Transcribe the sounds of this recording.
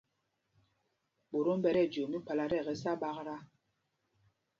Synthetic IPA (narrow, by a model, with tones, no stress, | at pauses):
ɓo˨ɾo˦m̩˦bɛ˦ɾɛ˦˨d͡ʒo˨mi˦k͡pa˨la˨ɾɛ˦˨ɣɛ˨sa˦ɓa˦ɣɾa˦